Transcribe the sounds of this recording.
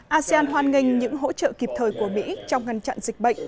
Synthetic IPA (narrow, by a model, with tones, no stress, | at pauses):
ʔaː˧si˧aː˧nɦwaː˧nŋï˧ŋ̟ɲɨ̰˧˥ŋɦo̰˧˥t͡ɕə̰ː˧˨ki˨˩p̚t̪ʰəː˨˩jku˧˩əmḭ˧˥t͡ɕɔ˧wŋ͡mŋa˧jŋ̟t͡ɕa̰˧˨nzï˨˩k̟̚ɓə̰˧˨ŋ̟